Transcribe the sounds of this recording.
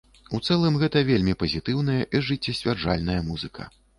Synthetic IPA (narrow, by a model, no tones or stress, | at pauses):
ut̪sɛlˠɨmɣɛt̪ɐvʲelʲmʲipɐzʲit̪ɨwnɐjɐʔiʐɨt͡sʲːɐsʲvʲard͡ʐa̰lʲnɐjɐmuzɨkɐ̰